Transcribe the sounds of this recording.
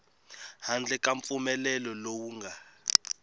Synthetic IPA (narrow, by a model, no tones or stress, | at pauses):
hand͡ɮʱɛkʼaɱp̪fumɛlɛlɔlowuŋɡʱa